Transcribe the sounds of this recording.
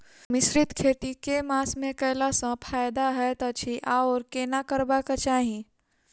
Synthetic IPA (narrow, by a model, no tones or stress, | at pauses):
mɪsɾɪt̪kʰeːt̪ikemaːsmẽkɛlasə̃pʰaːjd̪aɦɛt̪ɐt͡ʃʰiʔaɔːɾkeːnakəɾbakat͡ʃaːɦĩ